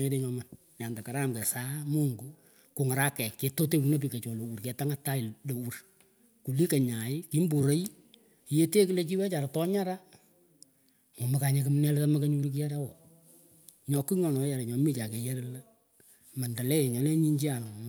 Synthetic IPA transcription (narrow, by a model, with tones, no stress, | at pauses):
e˦de˦ɲɔ˨ma˨ | ɲ˨a˨nda˨ka˨ɾa˦mkɛ˨sa˦mu˦ŋɡu˨ | kʊ˨ŋa˨ɾa˦kɛ˨kːe˨to˦te˦wu˨no˦p̬i˨ka˨t͡ʃɔ˨lo˨wu˨ɾkɛ˨ta˦ŋa˦ta˦ɪ˨lo˨wu˦r | ku˨li˦ke˨ɲa˨ɪ˦ki˦mbu˨ɾo˦j | je˦te˦kɨ˦le˦t͡ʃi˦wɛ˦t͡ʃa˨ɾa˨tɔ˦ɲa˦ɾa˦ | ŋo˨ma˨ka˨ɲe˨k̬ɨ˦m˦nɛ˦lɛ˦ta˦ma˦ka˦ɲu˦ɾu˦kɪ˦ja˦ɾa˦wɔ˨ | ɲɔ˨ki˦ŋɔ˨nɔ˨˦ja˨ɾa˨ɲɔ˨˦mi˦t͡ʃa˨ke˨je˦ɾla˦ | ma˨nda˨lɛ˦˨ɲɔ˨˦lɛ˦ɲi˦ɲd͡ʒi˦a˨l